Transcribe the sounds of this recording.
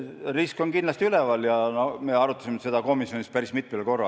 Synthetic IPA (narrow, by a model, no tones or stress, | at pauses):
risko̞nkindlɑst̪iylevɑljɑno̞me̞ːɑɾut̪ːˑɑsimese̞d̪ɑko̞misjo̞nispæɾismit̪̚ːˑmilko̞rːɑ